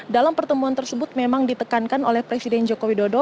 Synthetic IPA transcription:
dalampərt̪əmuant̪ərsəbʊt̪̚memaŋdit̪əkankanolɛhpɾesidɛnd͡ʒokowidodo

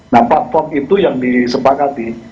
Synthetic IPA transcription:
naplat̪̚fɔrmit̪ujaŋdisəpakat̪i

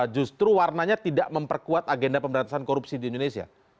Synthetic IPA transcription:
d͡ʒust̪ɾuwarnaɲat̪idaʔməmpərkuat̪aɡendapəmbəɾant̪asankoɾupsidiindonesia̰

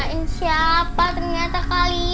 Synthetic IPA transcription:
insiapat̪ərɲat̪akali

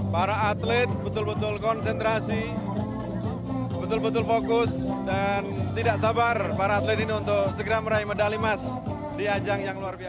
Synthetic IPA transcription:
paɾaːt̪lɛt̪̚bət̪ʊlbət̪ʊlkɔnsɛnt̪ɾasi | bət̪ʊlbət̪ʊlfokʊsdant̪idaʔsabarpaɾaːt̪lɛt̪iniunt̪ʊksəɡɾamɾajmədalimas | diad͡ʒaŋjaŋluarbia

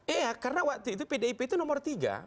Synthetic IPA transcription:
ɛakarnawak̚t̪uit̪upɛdaipɛit̪unɔmɔrt̪iɡa̰

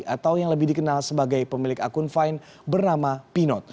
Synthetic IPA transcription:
at̪awjaŋləbihdikənalsəbaɡajpəmilɪka̰kʊnfajn | bərnamapinɔt̪̚

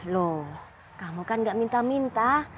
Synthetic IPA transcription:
lo | kamukanɡaʔmint̪amint̪a

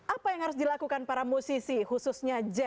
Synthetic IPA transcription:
ʔapajaŋhaɾʊs̬dilakukanpaɾamusisihususɲad͡ʒɛ

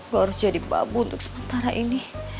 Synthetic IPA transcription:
ɡaɾusd͡ʒadiba̰buunt̪ʊk̚sə̥mənt̪aɾaʔini

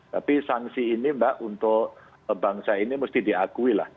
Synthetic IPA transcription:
t̪apisaŋsiːnimbaʔunt̪ʊʔ | baŋsainimust̪ihdiakuila̰h

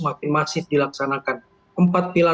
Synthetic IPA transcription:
mapɪnmasɪt̪̚dilaksanakan | ʔəmpat̪̚pila

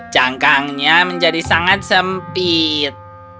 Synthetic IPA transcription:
d͡ʒaŋkaŋɲaməɲd͡ʒadisaŋat̪̚səmpit̪̚

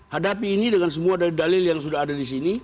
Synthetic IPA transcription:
hadapiːnidəŋans̬əmuadaldalɪljaŋsudahadadisini

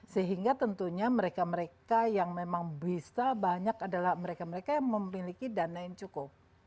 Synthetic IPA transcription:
səɦiŋɡat̪ənt̪uɲaməɾekaməɾekajaŋmemaŋbisabaɲakadalahməɾekaməɾekajaŋməmːilikidanaɪnt͡ʃukʊp

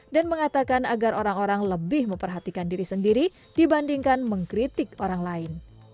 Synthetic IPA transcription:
danməŋat̪akanaɡaroɾaŋoɾaŋləbɪhməmpərɦat̪ikandiɾisəndiɾi | dibandiŋkanməŋkɾit̪ɪkoɾaŋlaɪn

